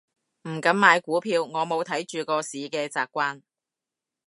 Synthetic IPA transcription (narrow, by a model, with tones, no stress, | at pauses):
m̩˨˩kɐ˨˧mmaː˨˧jkuː˨˥pʰiː˧wŋɔː˨˧mo˨˧wt̪ʰɐ˨˥jt͡ʃyː˨kɔː˧siː˨˥kɛː˧t͡saː˨kʷːaː˥n